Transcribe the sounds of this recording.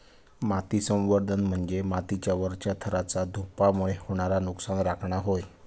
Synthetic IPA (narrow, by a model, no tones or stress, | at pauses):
mat̪isə̃wʋəɾd̪ʱənm̤əɳd͡zemat̪it͡ɕjaʋəɾt͡ɕjat̪ʰəɾat͡sad̪ʱupamuɭehoɽ̃aɾanuksanɾakʰɳaɦoj